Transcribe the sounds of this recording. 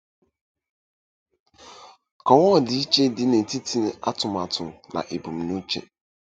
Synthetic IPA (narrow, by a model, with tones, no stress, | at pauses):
kʰɔ˨wɔ̃˦˨dɪ˨˦t͡ɕʰɛ˦dɪ˦nɛ̃˨tʰi˦tʰi˦n˦a˦tʰʊ̃˨ma˨tʰʊ̃˨mnã̰˨ʔe˨bũ˨mnũ˦t͡ʃʰɛ̰̃˨